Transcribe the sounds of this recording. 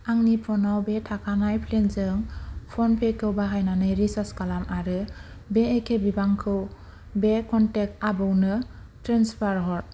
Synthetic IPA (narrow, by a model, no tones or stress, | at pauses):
aŋnipʰɔnawbetʰakʰanajpʰlenzɯŋpʰɔnpʰekʰɯwbaɦajnanɯjɾisaskalamʔaɾɯ | beːkʰebibaŋkʰɯw | bekɔntek̚tabɯwnɯ | tɾenspʰaɾɦɔt̚